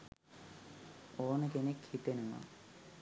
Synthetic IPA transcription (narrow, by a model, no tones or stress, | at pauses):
oːnəkenekhit̪enuna̰m